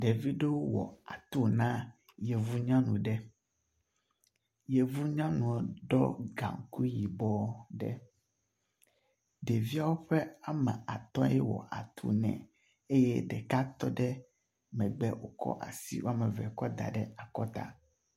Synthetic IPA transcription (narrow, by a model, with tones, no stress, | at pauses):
ɖe˨vi˦ɖe˦wo˦wɔ̰˨a̰˨t̪u˦nã˦ | je˨vu˦ɲã˦nũ˨ɖɛ˦ | je˨vu˦ɲã˦nũ˨ɔ˨ɖɔ̰˦ɡa̰˨ŋ˨˦ku˦ji˨bɔ˦ɖɛ̰˦ | ɖe˨vi˦a˦wo˦ɸɛ˦a˨mɛ̰̃˨a˨t̪ɔ̃˦jɛ˦wɔ̰˨ʔa˨t̪ʰṵ˦nɛ̰̃˨ | e˦jɛ˦ɖɛ˨ka˦t̪ɔ˦ɖɛ˦ | mɛ̃˨ɡ͡bɛ˦wo˨kɔ̰˦ʔa̰˨sḭ˦wo˦a˦mɛ̃˨vɛ̰˨kɔ˦d̪a̰˨ɖɛ˦a˨kɔ˦t̪a̰˦